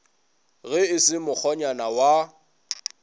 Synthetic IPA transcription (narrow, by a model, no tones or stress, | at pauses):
ɣɪɪsɪmʊk͡xʰɔɲanawa